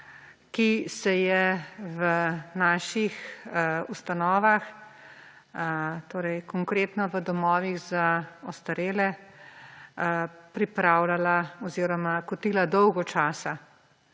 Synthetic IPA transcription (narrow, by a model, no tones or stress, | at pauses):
kisɛjɛvənaːʃix | ust̪anɔːʋax | t̪oːɾɛjkɔŋkɾeːt̪nɔʋəd̪ɔmɔːʋiɣzaɔst̪aɾeːlɛ | pɾipɾawlalaɔziːɾɔmakɔt̪iːlad̪ɔwɡɔt͡ʃaːsa